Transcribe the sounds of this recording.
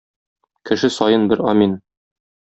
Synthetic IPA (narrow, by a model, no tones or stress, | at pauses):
kɘ̆ʃɘsɒjɤnbɘɾɒmin